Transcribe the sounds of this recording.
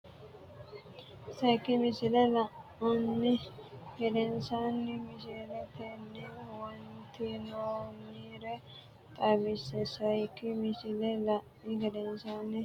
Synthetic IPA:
sɐjkɪmɪsɪlɛlɐʔunːɪɡɛdɛnsaːnːɪmɪsɛlɛt̪ɛnːɛwɐnt̪inoːniːɾɛ | t̪ʼɐbɪsɛsɐjkːɪmɪsɪlɛlɐʔmɪɡɛdɛnsaːnːɪ

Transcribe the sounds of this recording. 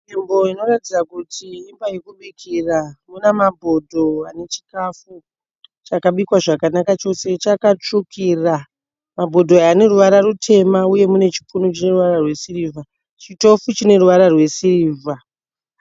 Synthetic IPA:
imbo̞ino̞ratid͡zakutʰiimbajekuɓekʰiramunemabʱo̞dʱo̞ane̞t͡ʃi̥kafu | t͡ʃakaɓikwaʐakanakat͡ʃo̞se̞t͡ʃakat͡ʂukʰira | mabʱo̞dʱo̞ane̞ruʋaɾarutʰe̞mauje̞mune̞t͡ʃi̥punut͡ʃine̞ruʋaɾarwe̞siriːvʱa | t͡ʃito̞fut͡ʃine̞ruʋaɾarwe̞siriːvʱa

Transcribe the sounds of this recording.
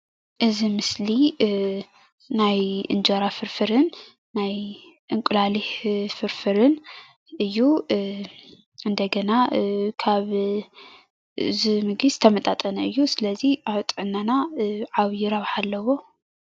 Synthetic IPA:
ʔɨzimɨsli | najʔɨ̰nd͡ʒoɾafɨɾfɨɾɨnː | aj | ʔɨŋkʷʼʊlalifɨɾfɨɾɨn | ɨjːu | ʔɨnd̪ɐɡɐnakʰaβ | zimɨɡizɨt̪ʰɐmɐt̪ʼat̪ʼɐnɐɨjːusɨlɐziaβt̪ʼʕɨnːanaʕaβjɪɾaβħalːɐwo̞

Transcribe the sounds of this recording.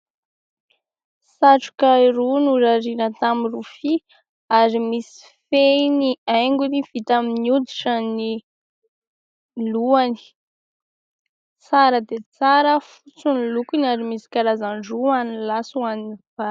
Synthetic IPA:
saʈ͡ʂu̥kaiɾunuɾaɾinət̪amirufi | aɾimisi̥feniajŋɡuniv̥it̪aminiud̪iʈ͡ʂəni | luani̥ | t͡saɾəd̪et͡saɾəfut͡sunilukinaɾimisi̥kaɾazaɳɖ͡ʐuanilasuaniniv̥a

